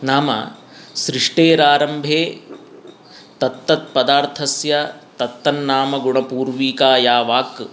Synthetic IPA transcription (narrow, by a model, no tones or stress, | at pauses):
naːmɐ̰ | sɾiʂʈeːɾaːɾɐmbʱeː | t̪ɐt̪ːɐt̪̚pɐd̪aːɾt̪ʰɐsjɐt̪ɐt̪ːɐnːaːmɐɡuɳɐpuːɾʋiːkaːjaːʋaːk